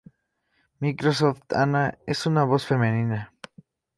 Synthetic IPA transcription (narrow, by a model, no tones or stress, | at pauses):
mikɾos̬oft̪a̰naesunaβosfemẽnina